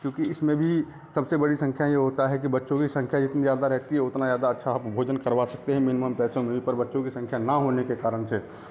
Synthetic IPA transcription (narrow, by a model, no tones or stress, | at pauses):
kjõːkiɪsmẽbʱi | sɐbsebɐɽisə̃ŋkʰjajeɦoːt̪aɦɛkibɐtːʃõkisə̃ŋkʰjad͡ʒɪt̪nizjaːd̪aɾɛɦt̪iɦɛʊt̪nazjaːd̪aɐtːʃʰapbʱoːd͡ʒənkəɾʋasɐk̚t̪eɦɛ̃mɪnɪməmpɛːsõmẽbʱipɐɾbɐtːʃõkisɐ̃ŋkʰjanaɦoːnekekaːɾəɳse